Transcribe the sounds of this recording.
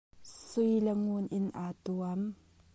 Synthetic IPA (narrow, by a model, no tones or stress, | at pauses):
sʊjlɐŋunʔɪnʔaːt̪uɐm